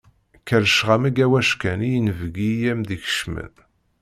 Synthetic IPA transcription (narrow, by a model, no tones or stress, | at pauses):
kəɾʃʁamiɡæwæʃkænijənvəɡijæmðiç̥ʃmə̰n